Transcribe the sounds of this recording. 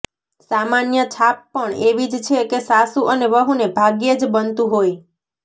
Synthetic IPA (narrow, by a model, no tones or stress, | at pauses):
samanjət͡ʃʰapːəɳeʋid͡ʒt͡ʃʰekesasuʔəneʋəɦunebʱaɡjed͡ʒbənt̪ũɦoj